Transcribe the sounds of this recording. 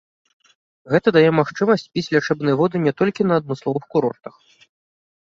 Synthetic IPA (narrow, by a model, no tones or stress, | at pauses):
ɣɛt̪ɐd̪ajɛmaxt͡ʂɨmɐsʲt͡sʲpʲit͡sʲlʲat͡ʂɛbnɨjɐvɔd̪ɨnʲɛt̪ɔlʲkʲinɐːd̪̚mɨslˠɔvɨxkuɾɔ̰rt̪ɐx